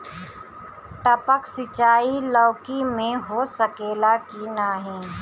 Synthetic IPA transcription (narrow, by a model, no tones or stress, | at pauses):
ʈəpəksɪt͡ʃaːilɔːkimẽɦoːsəkeːlakinaːɦĩː